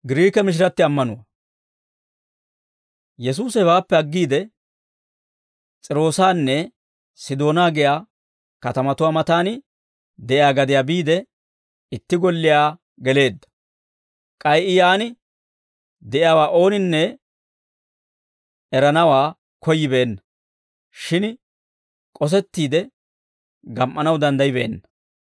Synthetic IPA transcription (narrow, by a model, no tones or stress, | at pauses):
ɡɪɾiːkɛmɪʃ̬ɪɾɐt̪ːɪɐmːɐnʊwɐ | jɛs̬uːsɛbaːpːɛɐɡːiːd̪ɛ | t͡sʼɪɾo̞ːsaːnːɛ | sɪd̪o̞ːnaːɡɪjaː | kɐt̪ɐmɐt̪ʊwaːmɐt̪aːnɪ | d̪ɛʔɪjaːɡɐd̪ɪjaːbiːd̪ɛ | ɪt̪ːɪɡɔlːɪjaː | ɡɛle̞ːd̪ːɐ̥ | kʼɐjʔɪjaːnɪ | d̪ɛʔɪjaːwaːʔo̞ːnɪnːɛ | ɛɾɐnɐwaː | kɔjːɪbeːnːɐ̥ | ʃɪn | kʼɔs̬ɛt̪ːiːd̪ɛ | ɡɐmʔːɐnɐwd̪ɐnd̪ɐjɪbḛːnːɐ